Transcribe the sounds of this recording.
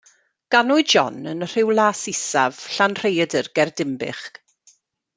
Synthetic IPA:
ɡ̥anʊɨdd͡ʒɔ̰nənr̥ɪwlˠaːsɪsav̥ɬanr̥ejədərɡɛrdɪmbɪ̰χk

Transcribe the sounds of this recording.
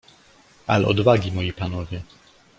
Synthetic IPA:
ʔa̰lɛʔɔ̰d̪vaɡʲimɔjipanɔvʲjɛ

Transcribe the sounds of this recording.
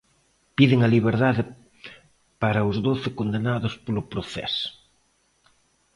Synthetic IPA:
piðɪŋɐliβ̞eɾðaðɪ | paɾɐʊzðoθɪkond̪enaðʊspolʊpɾoθɛ̰s

